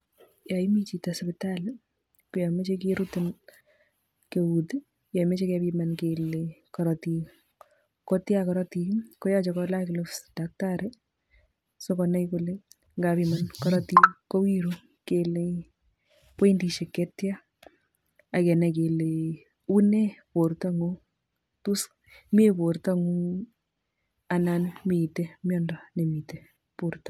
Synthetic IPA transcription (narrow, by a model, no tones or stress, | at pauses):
jaimit͡ʃitaspɪtal | kujamet͡ʃekiɾuten | kewutɪ | jɔmet͡ʃekɛpimankelekɔɾɔti | kotjakɔɾɔtikojat͡ʃɔkɔlakɪlɔsd̥ak̚taɾe | sokɔnɛjkole | ŋɡapimankɔɾɔtikɔwiɾu | kele | peindiʃekɛtja | akɛnɛkele | unepoɾtaŋo | tus | mepoɾtaŋu | ananmitemjɔndɔnemite | poɾtḁ